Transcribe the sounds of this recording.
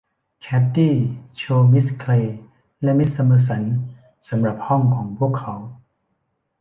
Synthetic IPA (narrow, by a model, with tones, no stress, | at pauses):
kʰɛː˦˥p̚t̪iː˥˩t͡ɕʰoː˧mi˦˥skʰleː˧ | lɛ˦˥mi˦˥t̪̚sa˧mɤː˧s̬a˩˦n | sa˩˦mɾa˨˩p̚hɔ˥˩ŋkʰɔː˩˦ŋpʰu˥˩əkʰːa˩˦w